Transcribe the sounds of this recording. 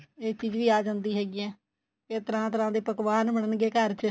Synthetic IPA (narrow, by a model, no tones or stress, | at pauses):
eːt͡ʃiːd͡ʒʋiːaːd͡ʒãːnd̪iːɦɛːɡiːɛː | keːt̪əɾãːt̪əɾãːd̪eːpəkʋaːnbəɽənɡeːkəɾt͡ʃ